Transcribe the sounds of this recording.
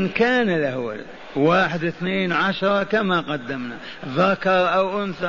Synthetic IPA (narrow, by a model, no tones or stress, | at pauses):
nkaːnɪlʔahwa̰l | waːħɪd̪ɪθneːnʕaʃɾˤɑkamaqɑd̪ːamna | ðakɑɾˤʔawʔʊnθa